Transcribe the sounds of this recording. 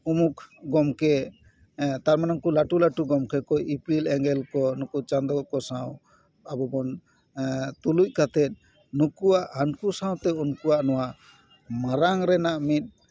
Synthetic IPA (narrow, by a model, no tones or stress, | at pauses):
umukɡɔmkɛ | t̪aɾmanaŋkulaʈulaʈuɡɔmkɛkɔjipilɛŋɡɛlkɔnukut͡ʃand̪ɔkɔsaw̃ | abɔbɔn | t̪uluc̚kat̪ɛt̪̚ | nukuwaʔhankusãw̃t̪ɛunkuaʔnɔwa | maɾaŋɾɛnaʔmit̪̚ˀ